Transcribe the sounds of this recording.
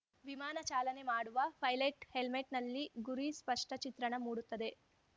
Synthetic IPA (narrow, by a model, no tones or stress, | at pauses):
ʋimaːnɐt͡ʃaːlɐne̞maːɽuʋɐpʰɐjlɐʈhelmeʈnɐlːiɡuɾispɐʂʈɐt͡ʃit̪ɾɐɳɐmuːɽut̪ːɐd̪e̞